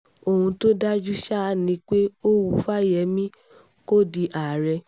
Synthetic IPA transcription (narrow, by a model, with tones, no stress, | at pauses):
o˧hũ˧to˦da˦d͡ʒu˦ʃa˦˧nĩ˧˦k͡pe˦o˦wu˧fa˦jɛ˧˦mĩ˦ | ko˦˨di˧ʔa˨ɾɛ˧